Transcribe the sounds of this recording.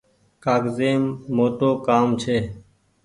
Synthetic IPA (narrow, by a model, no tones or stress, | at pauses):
kaːɡzeːmːoːt̪oːkaːmt͡ʃʰeː